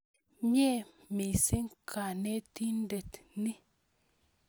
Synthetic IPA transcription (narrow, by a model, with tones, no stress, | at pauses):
ɲɛ˦ | mi˨si˦ŋkʰa˨ne˦t̪i˦nde˨t̪ni˦